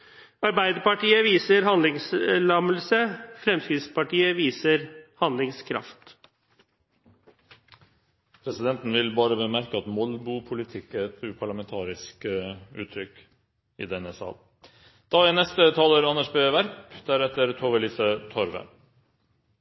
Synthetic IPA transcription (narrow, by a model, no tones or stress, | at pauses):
ɑɾbæɪd̪əɾpɑʈiːəʋiːsəɾhɑnd̪lɪŋslɑməl̩səfɾɛmsɪspɑʈiːəʋiːsəɾhɑnd̪lɪŋskʰɾɑ̰ft̪ | pʰɾɛsɪd̪ɛnt̪n̩ʋɪlbɑːɾəbəmæɾkəɑt̪mɔlbʊpʰʊlɪt̪ʰɪkːət̪ʉːpʰɑɭɑmɛnt̪ʰɑːɾɪskʉːt̪ʰɾʏkː | ɪ̰d̪ɛɛnɛsɑ̰l | d̪̥ɑːænɛst̪ət̪ʰɑːləɾɑnæʂbeːʋæɾpd̪̥æɾɛt̪əɾt̪ʰoːʋəliːsət̪ʰɔɾʋə̰